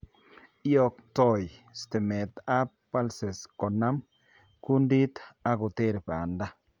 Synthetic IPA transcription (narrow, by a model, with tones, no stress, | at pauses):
ɪ˦jɔ˨k̚tɔ˦˨jstɪ˨me˨t̪a˦ppːa˦lse˨skɔ˨na˦m | ku˦ndi˦t̪a˦kʊ˨te˦ɾpa˨a˨nda˦